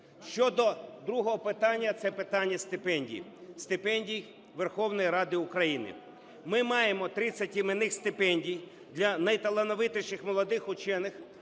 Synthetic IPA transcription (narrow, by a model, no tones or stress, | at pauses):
ʃt͡ʃɔd̪ɔd̪ɾuɦɔɦɔpɪt̪ɑnʲːɐt̪sɛpɪt̪ɑnʲːɐst̪ɪpɛnʲdʲḭjst̪ɪpɛnʲdʲij | ʋerxɔwnɔjiɾɑd̪ɪukɾɐjinɪ̰ | mɪmɑjemɔt̪ɾɪt͡sʲːɐtʲɪmɪnɪxst̪ɪpɛnʲdʲij | d̪lʲɐnɐjt̪ɐlˠenɔʋɪt̪ɪʃɪxmɔlˠɔd̪ɪxʊt͡ʃɛnɪx